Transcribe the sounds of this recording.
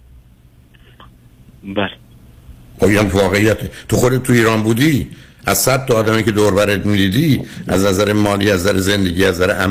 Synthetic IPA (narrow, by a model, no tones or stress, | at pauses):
bæl | oiæmvɒːɣe̞ijæt̪ʰet̪ʰoxo̞d̪et̪̚t̪ʰːuiːɾɒːnbuːd̪iːʔæzsæd̪̚t̪ːoːd̪æmiced̪oːɾvæɾet̪mid̪iːd̪iːæznæzæɾemɒːliːæzd̪æɾeze̞nd̪e̞ɟiːæzzæɾeʔæm